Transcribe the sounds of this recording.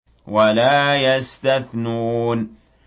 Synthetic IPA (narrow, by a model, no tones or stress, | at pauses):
walaːjast̪aθnun